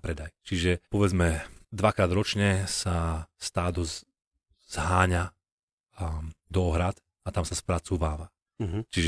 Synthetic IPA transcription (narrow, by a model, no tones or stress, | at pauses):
pɾɛd̪ajt͡ʃiʒɛpɔʋɛd͡zmɛd̪ʋakɾaːd̪ɾɔt͡ʃɲɛsast̪aːd̪ɔz | z̥ɦaːɲa | d̪ɔɦɾat̪ | at̪amsaspɾat͡suːʋaːʋa | ɦt͡ʃiʒ